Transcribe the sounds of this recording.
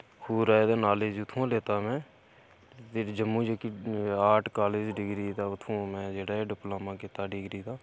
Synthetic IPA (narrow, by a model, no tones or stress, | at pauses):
huːɾaːed̪eːnaːleːd͡ʒʊt̪ʰːũãːleːt̪aːmɛ̃ː | t̪eːd͡ʒəmːũːd͡ʒeːkiaːʈʰkaːleːd͡ʒɖɪɡɾiːt̪aːʊt̪ʰːũːmɛ̃ːd͡ʒeːɽaːɛːɖɪploːmãːkiːt̪aːɖɪɡɾiːt̪aː